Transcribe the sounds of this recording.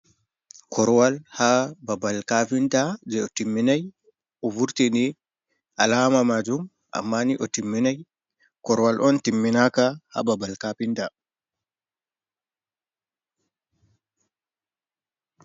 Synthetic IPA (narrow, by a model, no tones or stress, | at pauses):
kʰɔɾwalhababalkapintad͡ʒɛɔtimːinaj | ɔvuɾtini | ʔalamamad͡ʒum | ʔa̰mːaniʔɔtimːinaj | kɔɾwalʔɔntimːinakaha̰babalkapinta